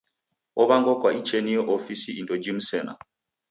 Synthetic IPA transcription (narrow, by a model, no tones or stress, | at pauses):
ɔβaŋɡɔkwait͡ʃɛnijɔʔɔfisiidɔd͡ʒim̩sɛna̰